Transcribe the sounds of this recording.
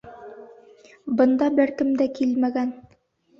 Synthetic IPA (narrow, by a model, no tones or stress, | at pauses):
bɤ̆nd̪ɑbɘɾkɘmd̪ækilmæɡæn